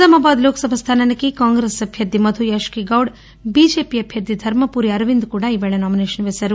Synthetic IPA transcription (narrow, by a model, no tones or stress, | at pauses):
sɐmaːbaːd̪loːkɐsɐbʱɐst̪ʰaːnɐnɐkikaːŋɡɾesɐbʱjɐɾd̪ʱimɐd̪ʱujɐʃkiɡɐwɖ | bid͡ʒeːpiɐbʱjɐɾd̪id̪ʱɐɾmɐpuːɾiɐɾʋind̪kuːɽɐiʋeɭɐnaːmineːʃɐnʋesɐɾu